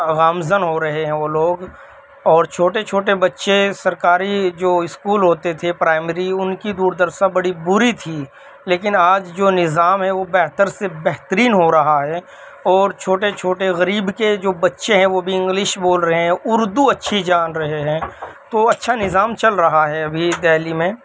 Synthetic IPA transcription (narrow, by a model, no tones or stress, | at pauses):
ɣaːmzənɦoɾɐɦeɦɛ̃ʋoːloːɡ | ɔːɾt͡ʃʰoːʈet͡ʃʰoːʈ̬ebɐtːʃesɐɾkaːɾid͡ʒoːɪskuːlɦoːt̪et̪ʰepɾaːɪmɾiʊnkid̪uːɾd̪əɾsabɐɽibʊɾit̪ʰiː | leːk̬ɪnaːd͡ʒd͡ʒoːnɪzaːmɦɛ̃ʋobɛɦt̪əɾsebɛɦt̪əɾiːnɦoɾɐɦaɦɛː | ɔːɾt͡ʃʰoːʈet͡ʃʰoːʈeɣɐɾiːbked͡ʒoːbɐtːʃeɦɛ̃ʋobʱiɪ̃ŋɡlɪʃboːlɾɐɦeɦɛ̃ʊɾd̪uɐtːʃʰid͡ʒaːnɾɐɦeɦɛ̃ːt̪oɐtːʃʰanɪzaːmt͡ʃɐlɾɐɦaɦɛɐbʱid̪ɛːlimẽː